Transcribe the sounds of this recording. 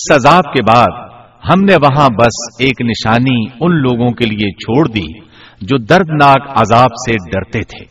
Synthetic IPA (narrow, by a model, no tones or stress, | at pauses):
ɪsɐzaːb̚kebaːd̪ | ɦɐmneʋɐɦãbɐseːknɪʃaːniʊnloːɡõkeliet͡ʃʰoːɽd̪ḭː | d͡ʒoːd̪ɐɾd̪naːkɐzaːbseɖɐɾt̪et̪ʰḛː